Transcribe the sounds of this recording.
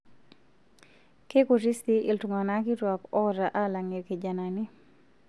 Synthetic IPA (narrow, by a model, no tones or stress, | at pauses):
kekuɾist̪iʔiltuŋanakitwakɔɾaʔalaŋikid͡ʒanani